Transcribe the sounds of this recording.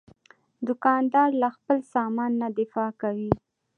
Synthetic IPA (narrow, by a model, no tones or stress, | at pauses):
d̪ʊkɑnd̪ɑɾlaxpəlsɑmɑnːad̪ɪfɑkawi